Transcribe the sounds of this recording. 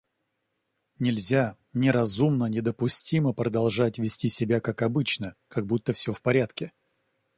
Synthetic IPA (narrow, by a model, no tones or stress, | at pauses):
nʲɪlʲzʲa | nʲɪɾɐzumnənʲɪd̪əpʊsʲtʲiməpɾəd̪ɐlˠʐatʲvʲɪsʲtʲisʲɪbʲakakɐbɨt͡ɕnəkaɡ̚but̪ːəfsʲofpɐɾʲat̪kʲɪ